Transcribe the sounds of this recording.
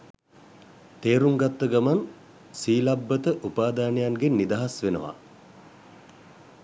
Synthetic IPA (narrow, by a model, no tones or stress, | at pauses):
t̪eːɾuŋɡat̪ːəɡaman | siːlabːət̪əʔupaːd̪aːnəjaŋɡenːid̪aɦasʋenə̰ʋa̰